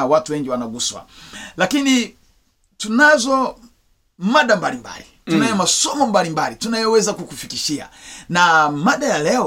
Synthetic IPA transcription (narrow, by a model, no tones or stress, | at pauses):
awatuwɛŋɡiwanaɡuswa̰lakini | tunazɔ | maɗambalimba̰litunajɔmasɔmɔmbalimbalitunajɔwɛzakukufikiʃia̰namaɗajalɛɔ